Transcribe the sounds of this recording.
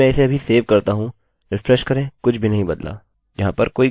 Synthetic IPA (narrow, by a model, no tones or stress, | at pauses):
ɛ̃ɪseɐbʱiseːʋkɐɾt̪aɦũ | ɾɪfɾɛʃkɐɾẽkʊt͡ʃʰbʱinɐɦĩbɐd̪la̰ː | jɐɦãpɐɾkoːi